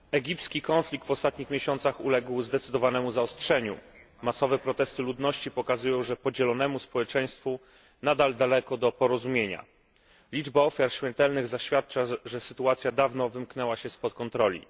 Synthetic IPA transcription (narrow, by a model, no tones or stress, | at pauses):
ɛɡʲipt̪skʲikɔnflʲik̚t̪vɔst̪at̪ɲixmʲjeɕɔnt̪saxulɛɡwzd̪ɛt̪sɘd̪ɔvanɛmuzaɔstʂɛɲṵ | masɔvɛpɾɔt̪ɛst̪ɘlud̪nɔɕt͡ɕipɔkazujɔ̃w̃ʐɛpɔd͡ʑɛlɔnɛmuspɔwɛt͡ʂɛj̃st̪fu | nad̪ald̪alɛkɔd̪ɔpɔɾɔzumʲjeɲa̰ | lʲid͡ʐbaɔfʲjaɾɕmʲɛnt̪ɛlnɘɣzaɕfʲjat̪̚t͡ʂaʐɛsɘt̪uat̪sʲjad̪avnɔvɘmknɛwaɕɛspɔt̪kɔnt̪ɾɔlʲḭ